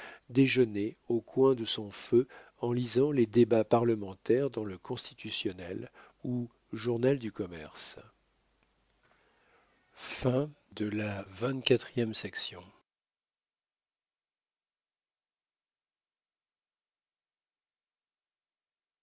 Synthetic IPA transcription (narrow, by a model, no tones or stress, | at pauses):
d̪eʒəneokʰwɛ̃d̪əsɔ̃fø | ɑ̃lizɑ̃led̪ebapaʁləmɑ̃t̪ɛʁd̪ɑ̃ləkɔ̃st̪i̥t̪ysjɔnɛl | u | ʒuʁnald̪ykɔmɛ̰ʁs | fɛ̃d̪əlavɛ̃t̪kʲat̪χijɛmsɛksjɔ̃